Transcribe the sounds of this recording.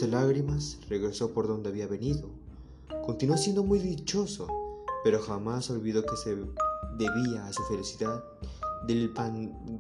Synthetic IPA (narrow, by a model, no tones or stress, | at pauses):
ðelaɣɾimasre̞ɣɾe̞so̞po̞ɾðo̞nd̪e̞aβiaβe̞niðo̞ | ko̞nt̪inuos̬je̞nd̪o̞mujðit͡ʃo̞so̞pe̞ɾo̞xamaso̞lβiðo̞ke̞se̞ðe̞βiaːsufe̞lisiðað | ðelpan